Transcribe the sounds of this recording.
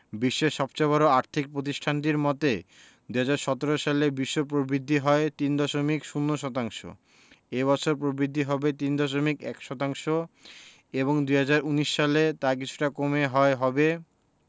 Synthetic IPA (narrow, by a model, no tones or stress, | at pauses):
biʃːeʃɔbt͡ɕaβɔɾoaɾt̪ʰik̚pɾot̪̬iʃʈʰanʈ̬iɾmɔt̪e | d̪uɦad͡ʑaɾʃɔt̪oɾoʃalebiʃːopɾobɾid̪ʱːiɦɔet̪ind̪ɔʃomikʃunːoʃɔt̪aŋʃo̰ | ebɔt͡ɕʰoɾpɾobɾid̪ʱːiɦɔbet̪ind̪ɔʃ̬omikɛ̰kʃɔt̪aŋʃo | eβoŋd̪uɦad͡ʑaɾuniʃːalet̪ak̬it͡ɕʰu̥ʈakomeɦɔeɦɔbe